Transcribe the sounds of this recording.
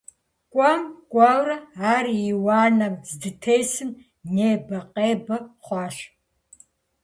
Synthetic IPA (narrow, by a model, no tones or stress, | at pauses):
kʷʼɔmkʷʼɑwrɐaːrjiwɑːnɐmzdɨtʰeːjsɨm | neːbɐqʼeːbɐχʷɑːʃ